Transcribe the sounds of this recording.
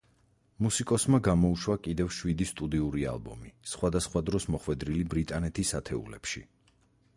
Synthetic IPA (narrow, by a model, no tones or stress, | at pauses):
musikʼɔsmaɡamɔuʃwakʼid̪ɛvʃwid̪ist̪ʼud̪iuɾia̰lbɔmisχwad̪asχwad̪ɾɔsmɔχwɛd̪ɾilibɾit̪ʼanɛt̪ʰisat̪ʰɛṵlɛ̰pʃḭ